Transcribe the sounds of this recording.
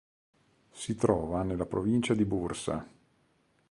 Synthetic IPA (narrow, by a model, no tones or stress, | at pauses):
sit̪ɾɔːvanelːapɾovint͡ʃad̪ibursa̰